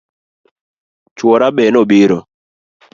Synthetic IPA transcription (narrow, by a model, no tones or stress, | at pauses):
t͡ʃwoɾabɛnobiɾo